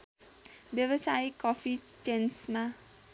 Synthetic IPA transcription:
bjʌβʌsaikːʌpʰit͡ʃensma

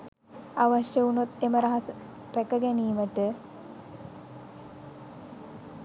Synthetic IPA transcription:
aʋaʃjəunot̪eməɾaɦɐsə | pækəɡæniːməʈə

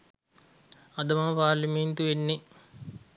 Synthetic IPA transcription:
ɐd̪ɐmapaːɾlimeːnt̪uʋenːe

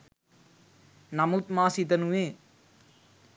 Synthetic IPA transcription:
nɐmut̪̚maːsit̪ɐnuʋeː

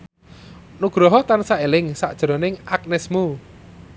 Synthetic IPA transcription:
nuɡ̥ɾɔɦɔt̪ansaelɪŋsa̰ʔd̥ʒ̥ɾɔnɪŋʔak̚nɛsmu

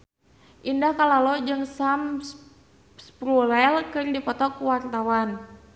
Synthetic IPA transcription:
ʔindahkalalɔd͡ʒɨŋsams | spɾulɛlkɨrdipɔt̪ɔkuwart̪awan

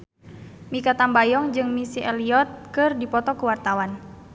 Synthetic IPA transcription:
mikat̪ambajɔŋd͡ʒɨŋmisiʔɛliɔt̪̚kɨrdipɔt̪ɔkuwart̪awan

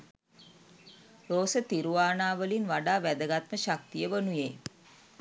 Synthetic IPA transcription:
ɾoːsət̪iɾuʋaːnaːʋəlinʋaɖaːʋæd̪əɡat̪məɕak̚t̪ijəʋənujeː

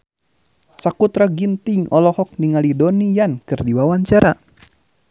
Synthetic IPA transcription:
sakut̪ɾaɡint̪iŋɔlɔhɔk̚niŋalidɔnijankɨrdiwawaɲt͡ʃaɾa

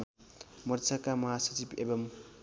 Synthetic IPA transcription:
mʌɾt͡sʰakamʌɦasʌt͡sibḛbʌm

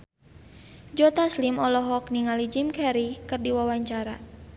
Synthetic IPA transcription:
d͡ʒɔt̪aslimɔlɔɦɔk̚niŋalid͡ʒimkɛɾikɨrdiwawaɲt͡ʃaɾa

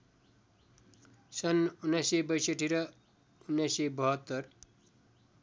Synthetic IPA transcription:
sʌnunːajsebʌjsʌʈʰiɾʌ | unːajsebʌɦʌt̪ːʌr

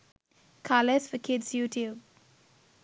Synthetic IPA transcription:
kʰaləsfəkʰɪdsjutʰjub

